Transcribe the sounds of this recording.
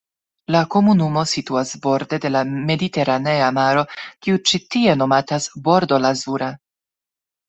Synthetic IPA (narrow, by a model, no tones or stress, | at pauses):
lako̞munumo̞situasbo̞ɾde̞de̞lame̞dite̞ɾane̞amaɾo̞kiut͡ʃitie̞no̞matasbo̞ɾdo̞lazuɾa